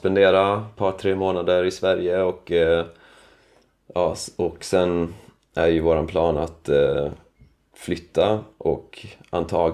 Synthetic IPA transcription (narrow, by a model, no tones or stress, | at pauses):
spɛnd̪eːɾapʰɑːʈ̪ʰɾeːmoːnad̪əɾɪsvæɾjəɔk | jɑːɔksɛn | æɾjɵvoːɾanpʰlɑːna̰t̪ | flʏt̪ʰːaʔɔkant̪ʰɑː